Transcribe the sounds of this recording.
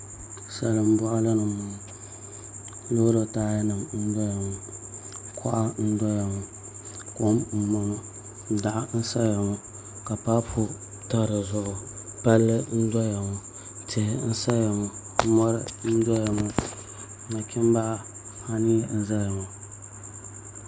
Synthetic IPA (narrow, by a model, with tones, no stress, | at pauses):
sa˨lɨ˨m̩˦bɔ˦ʔa˦la˦nɨ˨ʊ˨ | lo˦ɾo˨taː˦ja˦nɨ˨mn̩˦dɔ˦ja˨ŋʊ˨ | kʰɔ̰˦ʔa˦n̩˦dɔ˦ja˨ŋʊ˨ | ko˦m̩˨mɔ˨nʊ˦˨ | da˨ʔa˦n̩˦sa˦ja˨ŋʊ˦ | ka˨pa˦pʰʊ˦ | ta˦˨ɾɨ˨zʊ˦ʔʊ˨pa˦lːɨ˦n̩˦dɔ˦ja˨ŋʊ˨ | tɪ˨hɪ˦n̩˦sa˦ja˨ŋʊ˨˦ | mɔ˦ɾɨ˦n̩˦dɔ˦ja˨ŋʊ˦˨ | na˨kʲɪ˦m˦ba˦ʔa˦ha˦ni˦n̩˦za˦ja˨ŋu˨